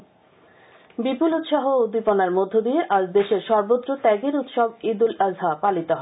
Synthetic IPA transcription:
bipulut̪ʃaɦood̪iponaɾmod̪ʱːod̪ieʔad͡ʑd̪eʃeɾʃɔɾbod̪ɾot̪ɛɡeɾut̪ʃɔbid̪ulazʱɦapalit̪oɦɔe

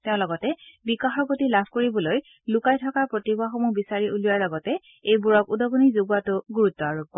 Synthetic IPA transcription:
teʊ̃lɔɡɔtɛbikaxɔɹpotilabʱkoɹibɔloj | lʊkajtʰɔkaɹpɹotibaxomubisaɹiʔulijaɹlɔɡɔtɛ | ejbuɹɔkudɔɡɔnizoɡuatʊɡuɹutːɔaɹub̚kɔ

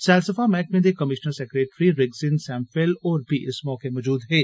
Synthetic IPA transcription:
sɛːlsəfamɛːk̚mẽd̪ekɐmɪʃnəɾsekɾeːʈɾiɾɪɡsɪnsɛ̃ːmfelɔːɾpiʔɪsmɔːkemɔːd͡ʒuːd̪ɦɛː

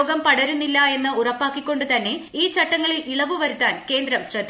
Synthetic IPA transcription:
oːɡɐmpɐɽɐɾunːilːɐe̞nːɨurɐpːaːkːikʲːo̞ɳɖɨt̪ɐnːe̞iːt͡ɕɐʈːɐŋːɐɭiliɭɐʋɨʋɐɾut̪ːaːnke̞ːnd̪ɾɐmɕrɐd̪

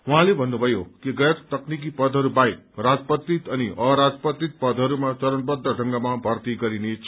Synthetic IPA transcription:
wuɦãlebʱʌnːubʱʌjokiɡʌjʌkt̪ʌknik̬ipʌd̪ʱɦʌɾubajkrad͡zpʌt̪ːit̪ʌniʔʌɾad͡zpʌt̪it̪̚pʌd̪ʱɦʌɾumat͡sʌɾʌnpʌd̪ʱːʌɖʱʌŋɡamabʱʌrt̪iɡʌɾinet͡sʰ

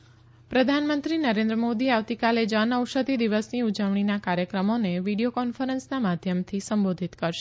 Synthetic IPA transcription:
pɾəd̪ʱanmənt̪ɾinəɾẽnd̪ɾəmod̪iaʋt̪ikaled͡ʒənəwʃəd̪ʱid̪iʋəsniud͡ʒəʋɳ̃inakaɾjəkɾəmoneʋiɽiokɔnfəɾənsnamad̪ʱjəmt̪ʰisəmbod̪ʱit̪kəɾʃe

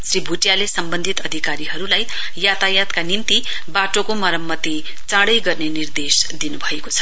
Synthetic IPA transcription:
sribʱuʈjalesʌmbʌnd̪ʱit̪ʌd̪ʱikaɾiɦʌɾulaj | jat̪ajat̪kanimt̪i | baʈokomʌɾʌmːʌt̪i | t͡sãɽʌjɡʌrnenird̪esd̪inubʱʌekot͡sʰʌ̥

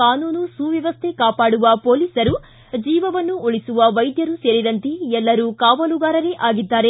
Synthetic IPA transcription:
aːnuːnusuːʋjɐʋɐst̪ʰe̞kaːpaːɽuʋɐpoːliːsɐɾu | d͡ʒiːʋɐʋɐnːuoɭisuʋɐʋɐjd̪jɐɾuse̞ːɾid̪ɐnt̪eɛlːɐɾuːkaːʋɐluɡaːɾɐleʔaːɡid̪ːaːɾe̞

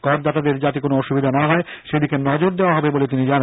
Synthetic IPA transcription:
kɔɾd̪at̪ad̪eɾd͡ʑat̪ikonoɔʃubid̪ʱanaɦɔeʃed̪ikenɔd͡ʑoɾd̪eoaɦɔbebolet̪inid͡ʑana

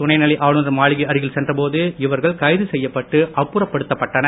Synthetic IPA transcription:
ʊnɐɪnɐlɪʔaːɻɯnrɐmaːɭɪɣɐɐɾɪɣɪlsɛndrɐpoːðɯɪʋɐɾɣɐɭkɐɪðɯsɛjːɐpːɐʈːɯʔɐpːʊɾɐpːɐɽɯt̪ːɐpːɐʈːɐnɐ

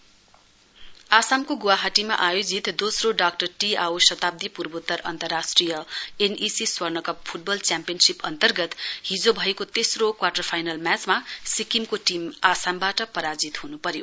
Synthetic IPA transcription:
asamkoɡuwaɦaʈima̰ʔajod͡zit̪d̪osroɖakʈʌrʈiawsʌt̪ab̚d̪ipurbot̪ːʌɾʌ̰nt̪ʌrːasʈrijʌenisiswʌrnʌkʌppʰuʈ̚bʌlt͡sjampijʌnsipʌ̰nt̪ʌrɡʌt̪ɦid͡zobʱʌekot̪esrokwaʈʌrpʰajnalmjat͡smasikimkoʈimasambaʈʌpʌɾad͡zit̪ɦunupʌɾjo

